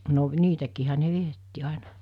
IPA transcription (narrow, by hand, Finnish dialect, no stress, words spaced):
no niːtækiːhæ ne ʋietːi ɑˑenɑ